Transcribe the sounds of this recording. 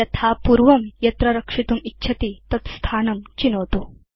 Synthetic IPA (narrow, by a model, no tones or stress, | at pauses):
jɐt̪ʰapuɾʋɐmjɐt̪ɾɐɾɐkʂit̪uːmitːɕʰɐt̪it̪ɐt̪st̪ʰaːnɐmt͡ɕinəʋt̪o